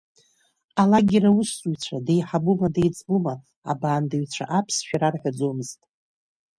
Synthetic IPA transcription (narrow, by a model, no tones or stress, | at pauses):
alaɡʲɪɾawʊsuɥt͡sʷʰadejħabumadejt͡sʼbuma | a̰baːndaɥt͡ɕʷʰa̰ʔapʰsʃᶣaɾarħᶣad͡zomɨztʼ